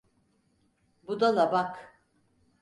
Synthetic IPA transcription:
bud̪alˠabak

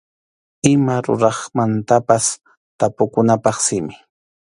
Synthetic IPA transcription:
ɪmaɾʊ̰ɾɑχmant̪apas | t̪apʊkʊnapɑχsɪmɪ

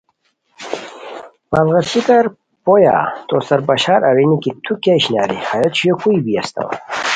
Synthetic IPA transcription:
palɣasikɐɾ | poja̰t̪osɐɾbɐɕaːɾɐɾinikit̪ʰukaɕnaːɾihajɐt̪ɕujokuibijast̪a̰w

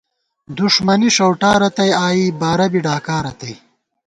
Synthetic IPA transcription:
d̪uʂmɐniʂɐwʈaːɾɐt̪ɐjaːjibaːɾɐbiɖaːkaːɾɐt̪ɐj

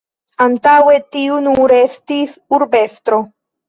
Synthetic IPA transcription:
antawe̞tiunuɾe̞stisuɾbe̞stɾo̞

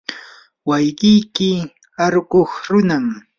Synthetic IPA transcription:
wajɢɪjkɪ | aɾɢoχɾʊnam

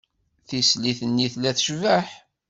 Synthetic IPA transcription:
θisliθənːiθlæθʃvəħ

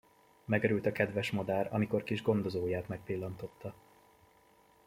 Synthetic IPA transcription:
mɛɡɛɾylt̪ɒkɛd̪vɛʃmo̞d̪aːɾɒ̰miko̞rkiʒɡo̞n̪d̪o̞zoːjaːt̪mɛk̚pilːɒnt̪o̞t̪ːɒ

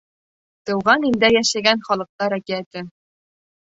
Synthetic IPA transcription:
t̪ɤ̆wʁɑnind̪æjæʃæɡænχɒlˠɤ̆q̚t̪ɑɾækiæt̪ɘ

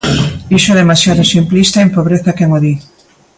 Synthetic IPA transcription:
iʃoðemasjaðʊsimplist̪aempoβɾeθakeŋoði

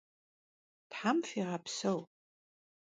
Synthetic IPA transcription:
tħamfiʁapʰsɐw

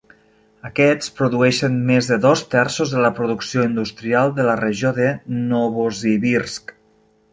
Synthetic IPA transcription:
əkɛt͡spɾuðuɛʃənmezðəðɔst̪ɛɾsozðələpɾuðuksioind̪ust̪ɾialˠd̪ələreʒoðənoβoziβiɾsk

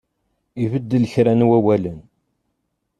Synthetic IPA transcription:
ivəd̪ːələçɾænwæwælən

